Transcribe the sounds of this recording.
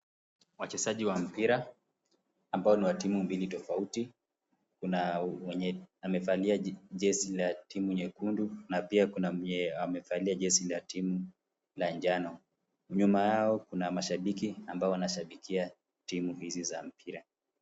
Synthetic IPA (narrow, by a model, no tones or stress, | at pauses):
wat͡ʃɛsaʄiwam̩piɾaː | mbaɔniwatimumbilitɔfauti | kunaɛɲɛamɛfaliaʄɛsilatimuɲɛkundunapiakunaamɛfaliaʄɛsilatimu | land͡ʒanɔ | uɲumajaɔkunamaʃaɓikiambaɔwanaʃaɓikʰia | timuhizizam̩pʰiɾa